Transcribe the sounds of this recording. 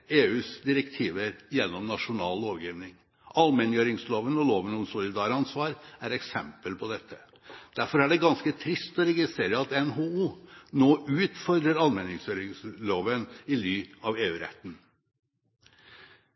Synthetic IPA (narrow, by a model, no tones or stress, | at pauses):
eːʉːsd̪ɪɾəkt̪ʰiːʋəɾjɛnːɔmnɑʂʊnɑːlːoːʋɡjiːʋnɪŋ | ʔɑlmɛnjøːɾɪŋsloːʋənɔloːʋənɔmsʊlɪd̪ɑːɾɑnsʋɑːɾæɾɛksɛmpəlpʰɔd̪ɛt̪ʰːə | d̪̥æɾfɔɾæɖɛɡɑnskət̪ʰɾɪst̪ɔɾɛɡɪst̪ɾeːɾəɑt̪ɛnɦouːnoːʔʉːt̪fɔɾd̪ɾəɾɑlmɛnɪŋsjøːɾɪŋsloːʋənɪlyːɑʋeːʉːɾɛ̰t̪ːn̩